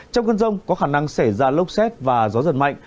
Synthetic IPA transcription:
t͡ɕɔ˧wŋ͡mkə˧nzə˧wŋ͡mkɔ˨˦xaː˧˩na˧ŋsa˧˩jzaː˧lə˦˥wk͡p̚sɛ˦˥t̚vaː˨˩zɔ˨˦zə̰˨˧˩n̚ma̰˧˨jŋ

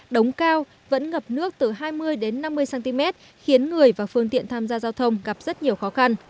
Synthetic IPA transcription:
ɗə˨˦wŋ͡mkaː˧w | və̰˧˥nŋə˨˩p̚nɨ˦˥ək̚t̪ɨ˨˩ɦaː˧jmɨ˧əjɗe˨˦nːa˧mːɨ˧əjsaː˨˧nt̪i˧mɛ˦˥t̚ | xi˨˦ənŋɨ˨˩əjvaː˨˩fɨ˧əŋt̪ḭ˧˨ənt̪ʰaː˧mzaː˧zaː˧wt̪ʰə˧wŋ͡mɣa˨˩p̚zə˦˥t̚ɲi˨˩əwxɔ˨˦xa˧n

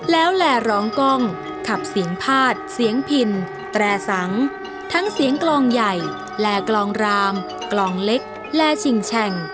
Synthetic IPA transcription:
lɛː˦˥wlɛː˧˩ɾɔː˨˧˩ŋkɔ˥˩ŋ | kʰa˨˩p̚si˨˩˦əŋpʰaː˥˩t̪̚si˩˦əŋpʰi˨˧˩n | t̪ɾɛː˧˩sa˩˦ŋ | t̪ʰa˦˥ŋsi˨˩˦əŋklɔː˧ŋja˨˩j | lɛː˧˩klɔː˧ŋɾaː˧m | klɔː˧ŋle˦˥k̚ | lɛː˧t͡ɕʰi˨˩ŋt͡ɕʰɛ˧˩ŋ

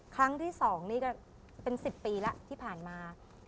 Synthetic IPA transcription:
kʰɾa˦˥ŋt̪ʰiː˥˩sɔː˩˦ŋniː˦˥˩kɔ˥˩ | pe˧nsi˨˩pːiː˧la˦˥ʔt̪ʰiː˥˩pʰaː˨˩nmaː˧

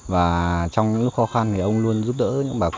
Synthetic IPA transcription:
vaː˨˩t͡ɕɔ˧wŋ͡mɲɨ˧˥ŋlu˦˥k̚xɔ˨˦xa˧nt̪ʰi˨˩ʔə˧wŋ͡mlu˧ənzu˦˥p̚ɗə̰ː˧˥ɲɨ̰˧˥ŋɓaː˨˩

